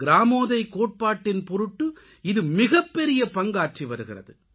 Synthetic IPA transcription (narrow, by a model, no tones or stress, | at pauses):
ɡɪɾaːmoːðɐɪkoːʈ̚paːʈːɪnpɔɾɯʈːɯ | ɪðɯmɪɣɐpːɛɾɪjɐpɐŋɡaːɾ̚t͡ʃiʋɐɾɯɣɪrɐ̰ðɯ̰